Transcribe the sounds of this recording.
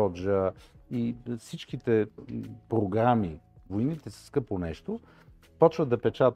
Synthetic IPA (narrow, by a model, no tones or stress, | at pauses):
ɔd͡ʒəifsit͡ʃk̟it̪ɛpɾoɡɾamivojnit̪ɛsə̥skɤpˠonɛʃt̪o | pɔt͡ʃvəd̪ɐpɛt͡ʃat̪